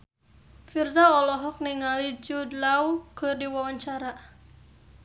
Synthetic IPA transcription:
firsaɔlɔɦɔk̚niŋalid͡ʒudlaukɨrdiwawaɲt͡ʃaɾa

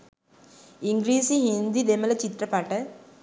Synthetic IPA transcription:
iŋɡɾiːsiɦind̪id̪emɐlɐt͡ʃit̪ɾɐpɐʈɐ

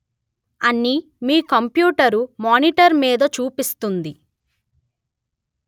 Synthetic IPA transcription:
ɐnːi | miːkɐmpjuːʈɐɾumaːniʈɐɾmiːd̪ɐt͡ʃuːpist̪und̪i

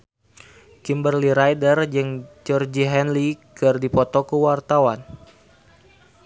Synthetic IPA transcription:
kimbərliɾajdərd͡ʒəŋd͡ʒɔrd͡ʒiɦɛnlikɨrdipɔt̪ɔkuwart̪awan

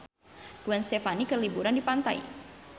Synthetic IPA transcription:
ɡ̥uwɛnst̪efanikərlibuɾandipant̪aḭ

